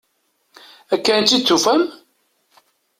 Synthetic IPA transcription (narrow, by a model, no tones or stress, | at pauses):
ækːænt͡ʃ̪ːit͡sːufæm